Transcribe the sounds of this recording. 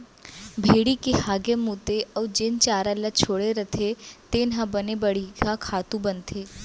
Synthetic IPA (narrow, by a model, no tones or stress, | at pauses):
bʱeːɽikehaːɡemuːt̪eɔːd͡ʒɪnt͡ʃaːɾalɐt͡ʃʰoːɽeɾɐt̪ʰet̪eːnɦãbɐnebɐɽikakʰaːt̪ũbɐnt̪ʰeː